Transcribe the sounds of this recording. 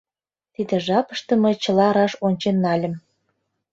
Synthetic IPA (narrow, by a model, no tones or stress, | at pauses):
t̪id̪ĕʒɑpə̥ʃt̪ɤ̆məjt͡ɕə̆lɑɾɑʃonʲt͡ɕenːɑlʲə̆m